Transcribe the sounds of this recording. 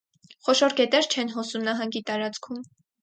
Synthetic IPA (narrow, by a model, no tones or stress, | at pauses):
χɔʃɔɾɡɛt̪ɛɾt͡ʃʰɛnɦɔsumnɑɦɑŋɡit̪ɑɾɑt͡skʰum